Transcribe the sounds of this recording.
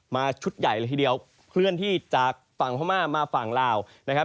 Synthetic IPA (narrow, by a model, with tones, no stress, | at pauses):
maː˧t͡ɕʰu˦˥t̪̚ja˨˩jləː˧t̪ʰiː˧˩di˧əw | kʰlɯ˥˩ənt̪ʰiː˥˩t͡ɕaː˨˩k̚fa˨˩˦ŋpʰɔ˧˥˩maː˥˩maː˧fa˨˩ŋlaː˧w | na˦˥kʰa˦˥